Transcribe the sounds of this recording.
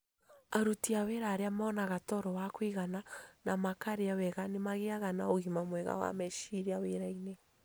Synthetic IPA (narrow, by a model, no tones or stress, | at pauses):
aɾutiaweɾaɾeamanaɣatɔɾɔwakwiɣananamakaɾeawɛɣanemaɣeaɣanaoɣimamwɛɣa̰wa̰mɛʃiɾiaweɾaine